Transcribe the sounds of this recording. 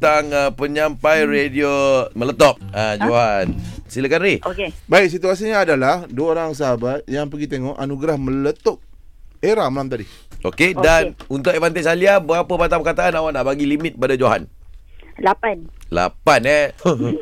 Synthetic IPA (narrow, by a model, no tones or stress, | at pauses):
t̪aŋəpəɲampajrediomələt̪ɔp̚ad͡ʒoɦansilakanɾiokebaɪk̚s̬it̪uas̬iɲaːdalahduaoɾaŋs̬aɦabat̪̚jaŋpəɡit̪eŋɔʔanuɡɾahmə̃lət̪ɔp̚ | eɾamalamt̪adi | okedanunt̪ʊk̚evant̪esaliaəbəɣapəpat̪̬apəkat̪aanawanaʔbaɡilimɪ̃t̪̚padad͡ʒoɦa̰n | lapanla̰panɛ